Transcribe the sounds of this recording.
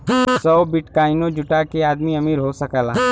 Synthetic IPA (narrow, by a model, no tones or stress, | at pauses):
sɔːbɪʈkaːɪnõd͡ʒʊʈakeaːd̪miɐmiːɾɦosɐkəla